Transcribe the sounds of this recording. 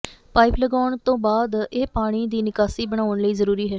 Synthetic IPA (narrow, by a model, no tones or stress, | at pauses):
paːɪpləɡaːɳt̪õːbaːd̪eːpaːɽ̃iːd̪iːnɪkaːsiːbəɳ̃aːʊnləiːzəɾuːɾiːɦɛː